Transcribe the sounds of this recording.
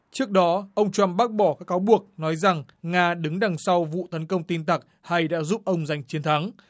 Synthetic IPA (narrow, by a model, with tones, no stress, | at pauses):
t͡ɕɨ˦˥ək̚ɗɔ˨˦ʔə˧wŋ͡mt͡ɕwa˧mɓaː˦˥k̚ɓɔ˧˩kaː˦˥kːaː˨˦wɓu˨˩ək̚nɔ˨˦jza˨˩ŋ | ŋaː˧ɗɨ˨˦ŋɗa˨˩ŋsa˧wvṵ˧˨t̪ə˨˦nkə˧wŋ͡mt̪i˧nt̪ə˨˩k̚ | ha˧jɗa̰ː˧˥zu˦˥p̚ʔə˧wŋ͡mza˨˩jŋ̟t͡ɕi˨˦ənt̪ʰa˨˦ŋ